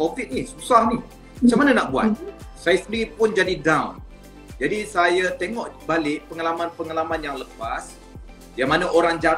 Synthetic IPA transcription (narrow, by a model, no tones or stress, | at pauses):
kovit̪̚nisusahni | mat͡ʃaŋmananaʔbua̰t̪̚sajasəndipʊnd͡ʒadidawn | d͡ʒadisajat̪eŋɔʔbalɪʔ̚pəŋalamãnpəŋalamanjaŋləpas | jaŋmanaʔoɾaŋd͡ʒa